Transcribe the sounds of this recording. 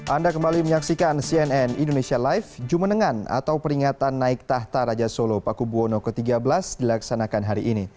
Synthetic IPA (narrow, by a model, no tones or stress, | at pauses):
ʔandakəmbaliməɲaksikansiɛnɛnindonesialajfd͡ʒumənəŋana̰t̪awpəɾiŋat̪anːaɪk̚t̪aht̪aɾad͡ʒasolopakubuonokət̪iɡabəlasdilaksanakanɦaɾiʔːni